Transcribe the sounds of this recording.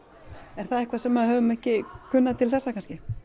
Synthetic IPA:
ɛɾ̥θaðɛhkvasɛmːaðhœvʏmɛhcɪkʰʏnːaðt̪ʰɪlθɛsːakʰanscɪ

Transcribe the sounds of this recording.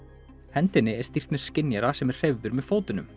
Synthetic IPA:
hɛnt̪ɪnːɪɛ̥st̪ir̥t̪nʏɾ̥scɪnjaɾasɛmɛɾ̥r̥ejvðʏɾmɛðfoːwt̪ɪnʏ̰m

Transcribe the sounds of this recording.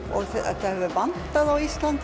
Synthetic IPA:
ɔɣa̰θajhœvʏvant̪aðawist̪lant̪

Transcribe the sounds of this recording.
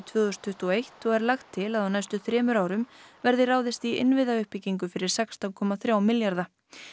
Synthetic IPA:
t̪ʰvʏːðʏst̪ʰʏht̪uɔejht̪ɔɣɛɾlaxt̪ʰːɪlaðawnajst̪ʏθɾɛːmʏɾaːwɾʏmvɛɾðɪraːwðɪst̪iɪ̰nvɪðaʏhpiciŋkʏfɪɾɪɾ̥sɛkst̪awkʰɔmaθɾjawmɪljaɾða

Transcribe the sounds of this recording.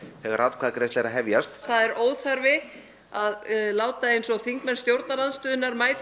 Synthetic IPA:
θɛɣaɾat̪kʰaðkɾɛjst̪ɛjɾaðɦɛvjast̪θaðɛɾʔoːwθaɾvɪ | aðlaːwt̪aejnsɔθiŋkmɛnst̪jowɾt̪nalanst̪œːðʏɪnaɾmaːjt̪

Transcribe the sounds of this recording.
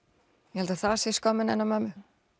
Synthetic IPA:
jɛhɛlt̪aθasjɛskɔːmɪnɛnːamamʏ

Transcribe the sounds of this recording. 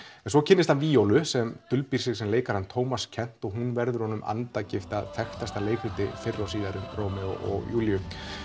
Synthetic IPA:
ɛnsvɔcʰɪnːɪst̪hanviːowlʏsɛmt̪ʏlpiɾ̥sɪɣ̥sɛmleːjkaɾ̥hant̪ʰoːwmascʰɛn̥t̪ɔɣɦunvɛɾðʏɾ̥hɔnʏmʔa̰nt̪acɪft̪aðθɛxt̪ast̪aleːjkɾʏlt̪ɪ̰fɪrːawsiːðaɾʏmrowmɪðɔ̰ɔ̰ɣjuːljʏ

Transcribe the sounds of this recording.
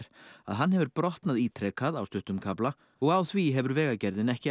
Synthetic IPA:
ɾ̥a̰ðɦanːɦɛvʏɾpɾɔht̪naðiːt̪ʰɾɛːkʰaðawst̪ʏht̪ʏmkʰapla | ɔɣawθviɦɛvʏɾvɛːɣacɛɾðɪnɛhcɪ

